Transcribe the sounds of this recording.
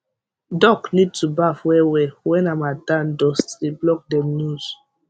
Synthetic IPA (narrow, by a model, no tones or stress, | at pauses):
dɔknid̚tubafwɛwɛwɛ̃namadãndɔstdeblɔk̚dɛnuz̥